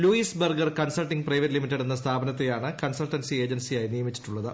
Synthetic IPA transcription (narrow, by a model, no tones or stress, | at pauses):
luiːsbɐrɡɐrkɐnsɐlʈːiŋɡprɐjʋɐɾlimitːeɽenːɐst̪ʰaːbɐnɐt̪ːejaːɳɨkɐnsɐlʈɐnsie̞ːd͡ʑɐnsijaːjinijɐmit͡ɕːi̥ʈːuɭːɐðɨ